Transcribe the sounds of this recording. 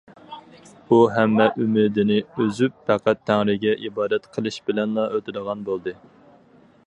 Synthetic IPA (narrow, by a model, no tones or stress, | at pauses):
uɦɛmːɛʔymɪd̪ɪnɪøzyp̚ːæqʰæt̪ʰːæŋɾɪɡʲɛʔibɑːd̪ɛt̪qʰəlˠɨʃbɪlɛnlˠɑøt̪ɪd̪əʁɑnbolˠd̪ɨ